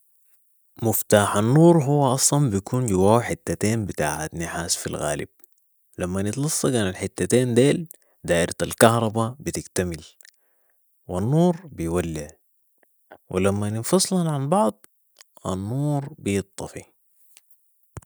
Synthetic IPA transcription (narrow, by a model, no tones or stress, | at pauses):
mʊft̪aːħanːuːɾˤɦuwːaʔɑsˤlɑmbijakʰuːnd͡ʒawaːwħɪt̪ːat̪eːnbit̪a̰ːʕa̰t̪nːɪħaːsfḭlɣa̰ːlḭb̥̚ | lamːanɪt̪lɑsˤːɑkaːnalħɪt̪ːat̪eːnd̪eːl | d̪aːʔɪɾaalkɑhɾˤɑbabit̪ɪɡt̪amɪl | wanːuːɾbijwalːi | wʔḭlamːanɪnfɑsˤlɑnʕambɑʕd̪ˤ | ʔa̰nːuːɾbijɨt̪ˤːɑfi